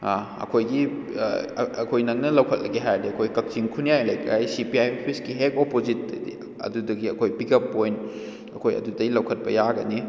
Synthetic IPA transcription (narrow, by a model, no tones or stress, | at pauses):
a | ɐ̰kʰojɡḭ | ɐkʰojnɐŋ̚nɐlɐwkʰɐt̚lɐɡeɦajdiɐkʰojkɐk̚t͡ʃiŋkʰunijajlɐjkajsipiajopʰiskiɦekopozit̚ːɐ̰dḭ | ɐ̰dudɐɡiɐkʰojpikʰɐpːojn | ɐkʰojɐ̰dudɐɡilɐwkʰɐt̚pɐ̰jaɡɐni